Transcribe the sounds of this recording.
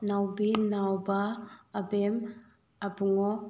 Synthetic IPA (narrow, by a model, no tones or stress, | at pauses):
nawbinawbaːbem | abuŋɔ